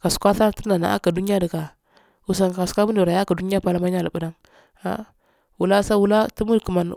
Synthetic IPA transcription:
ka˨su̥˨kʷa˦sa˦tə˦na˨na̰˨ʔa̰˦ka˨du˦ni˦a˦də˨ka˨ | u˨s̬a˨ŋ˨ka˨su̥˨kʷa˦bu˦ni˨ɾa˨ja˦ka˨du˦ni˦a˦pa˦la˦ma˦ɲa˦lə˨bu˦da˦ŋ | a̰˦ | wu˨la˦sa˦wu˦la˦ti˦mu˦dkə˨ma˨n

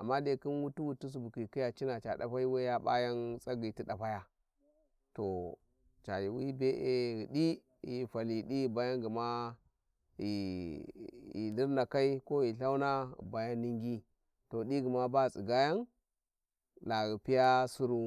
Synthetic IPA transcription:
a˨mːa˦de˨ki˦nwu˦tu˦wu˦tu˦s̬u˨bu˨ki˨ki˦ja˨t͡ʃi˦na˨t͡ʃa˨ɗa̰˨ɸa˦i˦we˦ja˦ba̰˦ja˦nsʼa˦ɡi˨ti˦ɗa˨pa˦ja˦ | to˨ | t͡ʃa˨ji˨wi˦be˦ʔe˦ɣi˨di˦ | ji˨fa˨li˨di˦i˨ba˦ja˦nɡi˨ma˦ | ji˨ | jḭ˨li˦ɾna˨ka˦i˦ko˦ji˨ɬa˦u˦na̰˦˨ba˨ja˦nːi˦ŋɡi˦ | to˨di˦ɡi˨ma˦ba˦˨sʼi˨ɡa˦ja˦n | la˨ɣi˨pi˦ja˦su˦ɾu˦

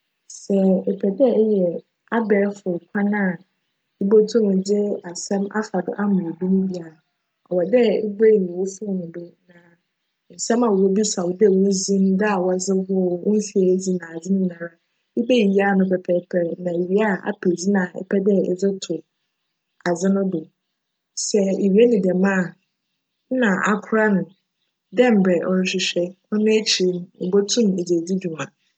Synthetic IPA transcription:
sɛ˨ɛ˨pʰɛ˨dɛ˦˨˦jɛ˨ | a˦bɛː˨˦fʊ˨kʷʰa˦nã˦˨ | ɪ˦bo˦tʰʊ˦nʊ̃˨d͡ʑɪ˦a˨sɛ̃˦ma̰˦fa˨dʊ̰˦ʔa˦mʊ̃˨dĩ˦n˦bi˦a˨ | ɔ̰˨wɔ˨dɛ˦ɪ̰˦be˦˨nĩ˨wo˦fʊ˦˨nʊ̃˨bɛ˦nã˨ | n̩˨sɛ̃˦ma˨wo˦bi˦sa˨wɔ˨dɛ˦˨wo˦zĩ˦m˦da˦a˨wɔ˨d͡zɪ˦ɦʊ˦ʊ˦n̩˦fi˦e˨˦d͡zi˦nã˨a˨d͡zɪ˦nʊ̃˦nã˨ɾa˨ | ɪ˦bɛ˦˨i˦a˦˨nʊ̃˦pʰɛ˨pʰɛ˦pʰɛ˦˨nã˨e˨ɥi˦a˦˨a̰˨pʰe˨d͡zi˦nã˨ɛ̰˦pʰɛ˦dɛ˦ɛ̰˨d͡zɪ˦tʰʊ˨ | a˨d͡zɪ˦nʊ̃˦bo˨ | sɛ˦e˨ɥi˨˦ɛ˦nɪ̃˨dɛ˨mã˦˨˦ | nã˨ʔa˨kʰʊ˦ɾa˦nʊ̃˨ | dɛ˦˨m̩˨bɛ˨ʔɔ˦n˦ɕɪ˦ɕᶣɛ˦ | ɔ˦nʊ̃˦e˦t͡ɕʰi˨ɾi˦m˦ʊ˨bo˦tʰũ˦me˨d͡ʑe˨di˦du˨mã˨

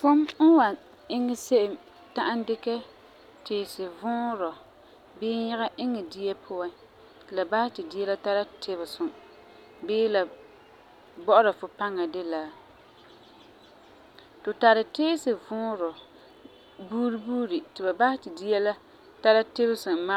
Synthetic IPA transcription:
fo˦m̩˦wa˨ | ɪ˦ŋːɛ˦se˦ʔɪ˨m | ta˦ʔa˦ndɪ˦kɛ˦ | tɪː˨sɪ˨vʊ̃ː˦ɾɔ˨ | bɪː˦ɲɪ˦ɣa˦ʔɪ˦ŋːɛ˨di˦jɛ˦pʰʊ˦a˦ | tɪ˨la˨ba˦hɪ˦tɪ˨di˦jɛ˦la˦ta˦la˦tʰɪ˦bɪ˨sʊ˨ | bɪː˦la˨ | bɔ˦ʔʊ˦ɾa˨fʊ˨pa˦ŋa˨dɪ˦la˦ | tʊ˨ta˨ɾɪ˨teː˦sɪ˨vʊː˦ɾɔ˨ | buː˦ɾi˦buː˦ɾi˨tɪ˨ba˨ba˦hɪ˦tɪ˨di˦jɛ˦la˦ | ta˦la˦tɪ˦bɪ˦sʊ˨ma˦

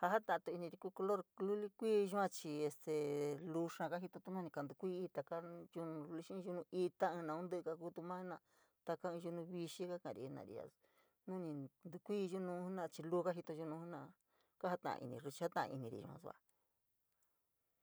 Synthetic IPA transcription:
ha˧ɦa˦t̪ã˨˧t̪u˧i˧nĩ˧ɾi˧ku˧ko˧lo˦ɾlu˦li˦kʷiː˦˧ʒu˦ã˧t͡ʃi˧e˧st̪e˨lu˧ʂã˧ka˦ɦi˧t̪o˧t̪u˦nũ˦nĩ˧ka˧˨nd̪u˧kʷi˦iː˦˧t̪a˧ka˦ʒu˧nũ˧lu˧ʃĩ˦˧ʒu˧nũ˧i˧t̪a˦ɨ̃˧nã˧˨ũ˦nd̪ɨ˦ʔka˧ku˦t̪u˧mã˦nã˧ | t̪a˧ka˦ɨ̃˧ʒu˧nũ˧βi˧ʃi˦ka˦kã̰˨ɾḭ˧˨˧nã̰˨ɾḭ˧ja̰˧ | nũ˦nĩ˧nd̪u˧kʷiː˦˧ʒu˦nũ˧˦u˦nã˦˧t͡ʃi˧luː˦˧ka˦ɦi˧t̪o˧ʒu˧nũ˧˦hu˦nã˧˨ | ka˦ha˦t̪ã̰˧˨ʔã̰˧ḭ˧nḭ̃˧ʐu˧t͡ʃi˧ha˦t̪ã˧ʔã̰˧ḭ˧nĩ˧ɾḭ˨ʒṵ˧ã̰˧sṵ˧a̰˧

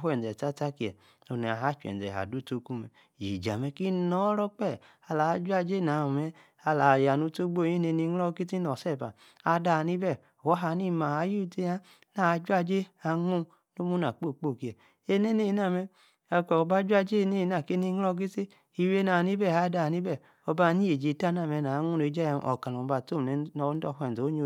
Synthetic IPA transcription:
wɛ˨n˨dɛ˨ta˦ta˦ki˧˨ɛ̰˨ | o˨ni˨a̰˨ɦa˦t͡ʃɛ̰˨ɛ̰˨a̰˨du˦to˦ku˦mɛ˧˨jḭ˨d͡ʒa̰˨mɛ˧ki˦nɔ˨˦ɾɔ˦k͡pɛ˦˨ | a˧la˨a˧˦d͡ʒʷa˦d͡ʒe˦˨na˨mɛ˧ | a˧la˨ja˨nu˧˦to˦ɡ͡bo˦˨ji˦ne˧˨ni˧ŋ˦lɔ˦˧ki˦ti˦nɔ˨sɛ˦˨ba̰˨ | a˧da˧˨ni˦bɛ˦˨wɔ˦ɦa˧˦ni˦ma˨ha˧˦ju˦te˧a˦ | na˨˧d͡ʒa˦d͡ʒe˦a˧ŋu˦ | no˦mu˦na˨k͡po˦˨k͡po˦˨ki˨ɛ˨ | e˧ne˦ne˦˨˧na˦˨mɛ˧ | a˧kɔ˨˧ba˦d͡ʒʷa˦˧d͡ʒe˦˧ne˦˨˧na˨ke˦ni˧˦ŋ˦lɔ˦˧k̬i˦ti˦ | i˧we˦na˨ni˦bɛ˦˨a˧˦da˧˨ni˦bɛ˦˨ | ɔ˧ba˧ni˦e˨d͡ʒe˨˧˨ta˦n˦a˦˨mɛ˧˨na˨˦ŋu˦no˨˧˦d͡ʒa˦a˧˨ʔɔ̰˨ka˨lu˨˦ba˧˨to˦˨m˨ɛ˨nɔ˧˦n˦ɔ˧˨hʷɛ˨n˨o˨˦o˧˨

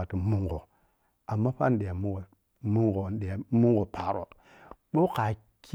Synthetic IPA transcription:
a˨ti˨mu˦ŋɡo˨ | a˨mːa˦pa˦n˦ɗe˨ja˨mu˦ŋɡo˨ | mu˦ŋɡo˨n˦ɗe˨a˨mu˦ŋɡo˨pʰa˨ɾo̰˨ | ɓo˦ka˨ | kʰ

